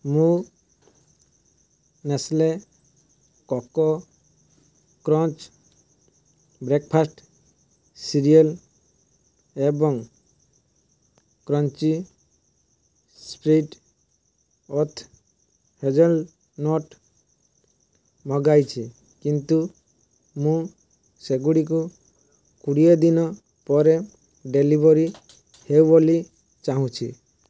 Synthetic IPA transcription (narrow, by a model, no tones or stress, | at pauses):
mũ | nesle | kɔkɔ | kɾɔ̃nt͡ʃ | bɾek̚pʰasʈ | siɾiɔl | ebɔŋ | kɾɔnt͡ʃi | spɾiʈ | ɔt̪ʰ | hed͡ʒɔl | nɔʈ | mɔɡajt͡ʃʰi | kint̪u | mũ | seɡuɽik̬u | kuɽied̪inɔ | pɔɾe | ɖelibɔɾi | hewboli | t͡ʃaɦũt͡ʃʰḭ